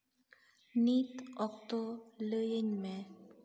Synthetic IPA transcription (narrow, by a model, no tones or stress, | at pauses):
nit̪ɔkt̪oləjəɲmẽ